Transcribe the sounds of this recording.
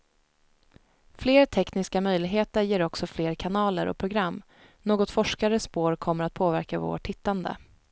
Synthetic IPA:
fleːɾt̪ʰɛknɪskamœjlɪɡɦeːt̪əɾjeːɾɔksɔfleːɾkʰanɑːləɾʔɔ̰pʰɾʊɡɾamː | noːɡɔt̪fɔʂkaɾəspoːɾkʰɔmːəɾat̪̚pʰoːvæɾkavo̰ːʈʰhɪt̪ːand̪ə̰

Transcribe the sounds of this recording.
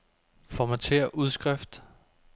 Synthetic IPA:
fɒmæt͡sʰe̝̰ːɐʔuð̞ˠsɡ̥ʁɛfd̥

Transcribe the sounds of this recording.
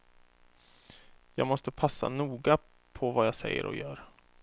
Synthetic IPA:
jɑːɡmɔst̪əpʰasːa̰nuːɡa | pʰɔvajɑːsɛjːə̰ɾɔ̰jœːɾ

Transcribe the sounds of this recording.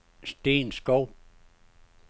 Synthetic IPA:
stĩnskop̚

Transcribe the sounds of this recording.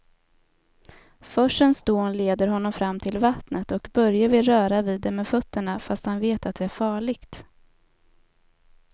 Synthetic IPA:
fœʂənsd̪̥oːnleːd̪əɾɦɔnːɔmfɾamːt̪ʰɪlvat̪nət̪ɔkbœɾjavɪɾœːɾaviːd̪ːɛmɛfœt̪ːəɳafast̪hanveːt̪at̪̚d̪ɛæɾfɑːɭɪɡt̪

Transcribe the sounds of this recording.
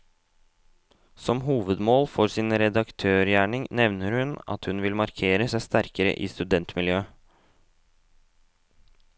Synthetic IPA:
sɔmɦuːʋəd̪moːlfɔɾsɪnɾɛd̪ɑkt̪ʰøːɾjæːɳɪŋnɛʋnəɾhʉnɑ̰t̪hʉnʋɪlmɑɾkʰeːɾəsæɪst̪æɾkəɾə̰ʔiːst̪ʉd̪ɛnt̪mɪljøː

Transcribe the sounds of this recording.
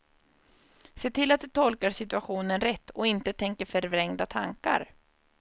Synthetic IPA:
seːt̪ʰɪlat̪̚d̪ɵt̪ʰɔlkaɾʂɪt̪ɵaɧuːnənɾɛt̪ːɔɪnt̪ət̪ʰɛŋkəɾfœɾvɾɛŋd̪at̪ʰa̰ŋka̰ɾ

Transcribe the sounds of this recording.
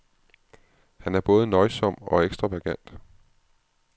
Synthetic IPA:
hænæɐb̥ɔ̽ːð̞ˠənɒ̽ɪsɒ̽m̰ɒ̽eɡ̥sd̥ʁɑʋæɡ̥æn̰d̥

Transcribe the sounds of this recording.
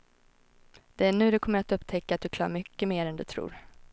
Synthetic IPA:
d̪̥ɛæɳʉ̟ːd̪ɵkʰɔmːəɾat̪ɵpːt̪ʰɛkːat̪̚d̪ɵkʰlɑ̰ːɾmʏkːəmeːɾɛnd̪ɵ̰t̪ʰɾṵːɾ

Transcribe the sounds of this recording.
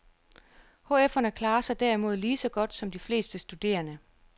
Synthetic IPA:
ho̝ːefɐnəkʰlɑ̈ːɐsɑ̈ɪd̥æɐimo̝ð̞̰ˠliːsɒ̽ɡ̥ɒ̽d̥sɒ̽md̥ifle̝̰ːsd̥əsd̥ud̥e̝̰ːɐnə

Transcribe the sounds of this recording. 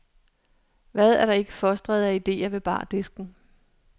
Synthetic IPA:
ʋæð̞ˠæɐɾɑ̈e̝ɡ̥əfɒsd̥ʁɛð̞̩ˠæid̥e̝̰ːɐʋe̝b̥ɑ̰̈ːd̥e̝sɡ̥n̩

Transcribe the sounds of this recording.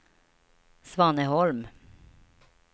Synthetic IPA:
sʋɑnəhɔlm

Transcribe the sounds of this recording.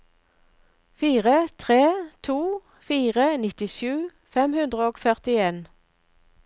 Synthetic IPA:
fiːʁət̪ʰʁeːt̪ʰuː | fiːʁənɪt̪ɪʃʉː | fɛmhʉnd̪ʁəoːɡfœʁt̪ɪeːn

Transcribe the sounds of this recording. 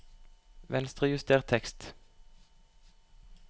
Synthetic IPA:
ʋɛnst̪ʁəjʉst̪ʰeːʁt̪ʰɛkst̪

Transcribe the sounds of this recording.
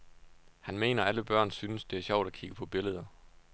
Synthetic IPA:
hænme̝̰ːnɐæləb̥ɶɐ̰nsynəsd̥e̝æɐɕɒʊ̰d̥ækʰiɡ̥əpʰɒ̽b̥e̝ləð̞ˠɐ

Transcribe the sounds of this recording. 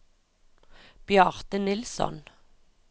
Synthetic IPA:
b̥jɑʁt̪ənɪlsɔ̰n

